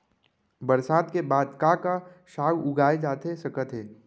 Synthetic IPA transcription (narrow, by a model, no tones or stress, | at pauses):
bəɾsaːd̪kebaːd̪kaka | ʃaːɡʊɡʱaːed͡ʒaːt̪esɐkət̪ɦeː